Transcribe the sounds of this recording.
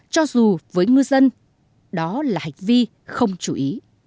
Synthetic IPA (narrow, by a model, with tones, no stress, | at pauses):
t͡ɕɔ˧zu˨˩vəː˨˦jŋɨ˧əjzə˧n | ɗɔ˨˦laː˨˩ha˨˩jŋ̟vi˧ | xə˧wŋ͡mt͡ɕu˧˩ʔi˨˦